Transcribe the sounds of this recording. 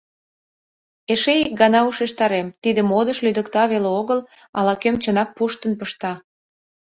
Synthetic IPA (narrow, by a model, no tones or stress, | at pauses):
eʃeik̚ɡɑnɑuʃeʃt̪ɑɾemt̪id̪ə̆mod̪əʃlyd̪əkt̪ɑβeleoɣəl | ɑlɑkømt͡ɕənɑk̚puʃt̪ənpəʃt̪ɑ